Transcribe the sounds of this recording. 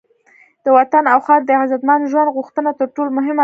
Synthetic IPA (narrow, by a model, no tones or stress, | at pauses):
d̪̥əwat̪anawxɑɾd̪əzad̪manʒwand̪ɣuxt̪ənat̪əɾʈolmʊɦɪma